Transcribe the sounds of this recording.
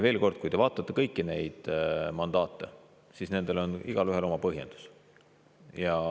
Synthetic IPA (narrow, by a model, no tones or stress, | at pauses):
ve̞ːlko̞rd̪̥̚kujd̪e̞vɑːt̪ːˑɑt̪ːekɤjkˑːine̞jd̪̥mɑnd̪ɑːt̪ːˑe̞̰ | sisne̞nd̪̥e̞lo̞niɡ̥ɑlyɦe̞lo̞mɑpɤɦje̞nd̪̥u̥s | jɑ